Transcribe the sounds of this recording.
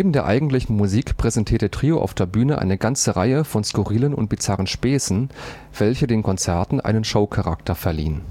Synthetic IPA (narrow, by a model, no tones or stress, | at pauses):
neːbm̩deːɐʔa̰ɪɡŋ̩tlɪçn̩muziːkpʁ̥ɛzɛntʰiːɐtətʁ̥iːoʔa̰ʊfd̥eːɐbyːnəʔa̰ɪnəɡant͡səʁa̰ɪəfɔnskuʁiːlənʊ̰nt̚b̥it͡saʁənʃpɛːsn̩ | v̥ɛlçədeːnkʰɔnt͡sɛɐtn̩ʔa̰ɪnənʃoʊkʰaʁa̰ktʰɐfɛɐlḭːən